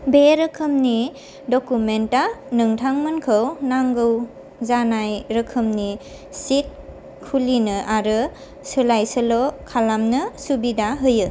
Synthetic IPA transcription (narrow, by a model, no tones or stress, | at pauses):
beɾɯkʰɯmni | dɔkumentanɯŋtʰaŋmɯnkʰɯwnaŋɡɯw | zanajɾɯkʰɯmni | sit̚ | kʰːulinɯʔaɾɯ | sɯlajsəlokʰalamnɯsubidaɦɯjɯ